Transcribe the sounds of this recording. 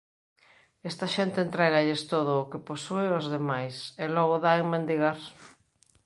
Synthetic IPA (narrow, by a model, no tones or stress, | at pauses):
est̪ɐʃent̪eːnt̪ɾɛɣaʎest̪oð̞ʊːkeposueozðemajselɔɣoðaeŋmend̪iɣaɾ